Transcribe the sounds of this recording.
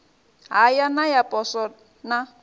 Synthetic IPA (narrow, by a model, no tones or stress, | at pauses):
ɦajanajapʼɔsɔ | na